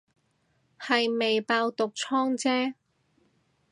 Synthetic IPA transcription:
hɐ˨jme˨jpaː˧wt̪ʊ˨k̚t͡sʰɔː˥ŋt͡sɛː˥

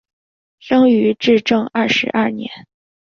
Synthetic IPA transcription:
ʂɤ˥ŋy˧˥ʈ͡ʂɻ̩˥˧ʈ͡ʂɤ˥˧ŋɐ˥˩ʂɻ̩̰˧˥ʔɐ˥˩njɛ̰˧˥n

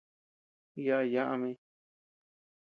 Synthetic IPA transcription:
ja˧ʔa˧˨ja˦ʔa˧mẽ˧˦˧

